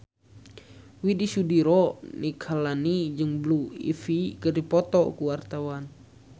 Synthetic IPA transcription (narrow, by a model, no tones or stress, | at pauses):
widisudiɾɔnikʰalanid͡ʒɨŋbluḭfikədipɔt̪ɔkuwart̪awan